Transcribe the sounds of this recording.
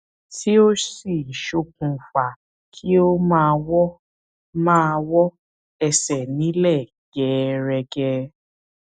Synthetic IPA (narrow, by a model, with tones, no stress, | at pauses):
ti˦o˦si˦˨i˨ʃo˧kũ˨fa˨ | kʰi˦o˦mãː˦˧wɔ˦ | mãː˦˧wɔ˦ | ɛ˧sɛ˨nĩ˨˦lɛ˦˨ | ɡɛ˨˦ɾɛ˧ɡɛ˧